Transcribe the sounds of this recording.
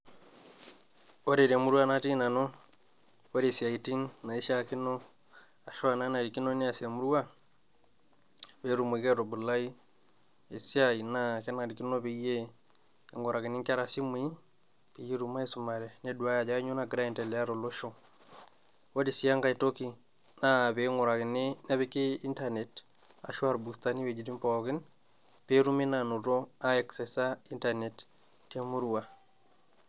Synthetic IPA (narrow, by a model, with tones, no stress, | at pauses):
ɔ˦ɾe˨ɾɛ˨mu˦ɾwa˦na˦ti˦na˨nɔ˦ | ɔ˦ɾi˨sia˨i˨ti˦nna˨i˦ʃa˦ki˦nɔ˦ | a˨ʃɔ˦a˨na˦na˨ɾi˨ki˦nɔ˦ni˦a˨sia˨mu˦ɾu˦a˦ | βɛ˨˦ɾu˨mwe˨kɛ˦ɾɔ˨bu˨la˦i˦ | e˨si˦a˦i˨na˦kɛ˦na˨ɾi˨ki˦no˦βi˨˦jɛː˦˨ | ŋɡɔ˨ɾa˨ki˨ni˦ŋka˦ɾa˨si˦mwi˦ | pi˨je˦ɾu˨ma˦e˦su˨ma˨ɾɛ˨ne˦du˨a˦ja˨d͡ʒa˨˦ɲo˦na˨ɡɾa˦i˨ntɛ˨lɛ˨a˦ɾo˨lo˦ʃo˦ | wo˦di˨si˦a˦ŋɡa˨i˨to˦ki˨ | na˦˨be˨˦ŋɔ˨ɾa˨ɡi˨ne˦na˦bi˦ke˦i˦ntane˨t | a̰˨ʃu˦a˦˨ɾbu˨sta˨ni˦we˨d͡ʒi˨di˦mpɔɡɪ˦n | pe˦ɾu˦me˦nanu˨ɾo˦a˦ɛksɛ˨sa˦i˦ntane˨t | tːe˦mu˦ɾu˨wa˨